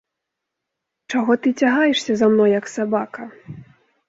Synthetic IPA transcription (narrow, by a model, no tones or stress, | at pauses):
t͡ʂaɣɔt̪ɨt͡sʲaɣajɛʂsʲɐzamnɔjjɐksabakɐ